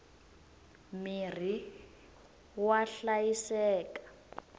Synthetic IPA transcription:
mir̤i | waɬajisɛːkḁ

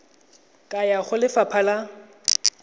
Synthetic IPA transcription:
kʼajaχʊlɪfapʰala

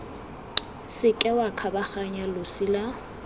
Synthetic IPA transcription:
sɪkʼɛwakʰabaχaɲalosɪla

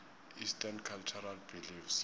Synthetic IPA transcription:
istʰankʰalt͡ʃʰɔɾalbilifs

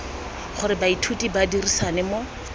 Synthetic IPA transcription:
χʊɾɪbaitʰutʼibadirisanɪmo

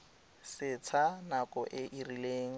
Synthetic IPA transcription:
sɪt͡sʰanakʼɔʔɪʔirileːŋ̩

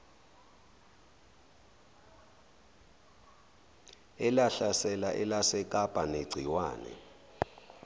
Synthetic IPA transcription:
ɛlaɬasɛlaʔɛlasɛk̬ʼapʼaneɡ͡ǀʱiwa̰ːnɛ̰

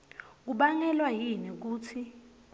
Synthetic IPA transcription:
k̬uɓaŋɛlwajinɛk̬uːt͡sʰi

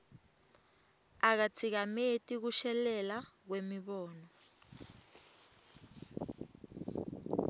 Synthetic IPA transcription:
ak̬at͡sʰik̬ametʼik̬uʃɛlɛlak̬wemiɓɔːnɔ

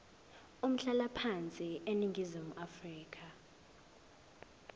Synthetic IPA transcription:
um̩ɬalapʰant͡sʼiʔeniŋɡʱizimuʔafriːkʰa

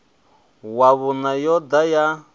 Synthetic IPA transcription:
waβunajɔdaja

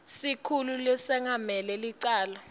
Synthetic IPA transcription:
sikʰululɛsɛŋamɛlɛliǀaːla

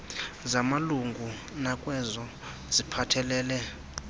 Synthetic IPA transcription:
zamaluŋɡʱu | nakʼwɛzɔ | zipʰatʰɛlɛːlɛ

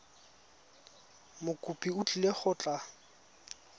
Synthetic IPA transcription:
mʊkʼupʼiʊt͡ɬʼileχʊt͡ɬʼa

